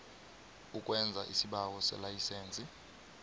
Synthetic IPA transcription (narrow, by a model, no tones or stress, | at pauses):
ukʼwɛnd͡zʱaʔisiɓawɔsɛ̰lajiseːnt͡sʼi